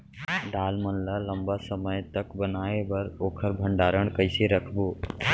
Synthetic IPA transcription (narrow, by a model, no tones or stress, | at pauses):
ɖaːlmənlaləmbasəməjt̪əkbənaːebəɾoːkʰəɾbʱəɳɖaːɾəɳ̃kəɪseɾəkʰboː